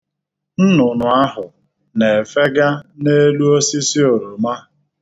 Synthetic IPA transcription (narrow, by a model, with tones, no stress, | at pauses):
n̩˦nʊ˨nʊ˨a˦ɦʊ˨ | ne˨fe˦ɡa˦ne˦lu˦o˦si˦si˦o˨ɾo˨ma˦